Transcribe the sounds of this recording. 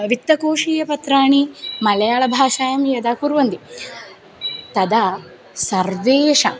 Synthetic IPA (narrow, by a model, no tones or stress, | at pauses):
ʋit̪ːɐkoːʂiːjɐpɐt̪ɾaːɳimɐlɐjaːɭɐbʱaːʃaːjɐmjɐd̪aːkuɾʋɐnd̪i | t̪ɐd̪ɐ | sɐɾʋeːʂɐ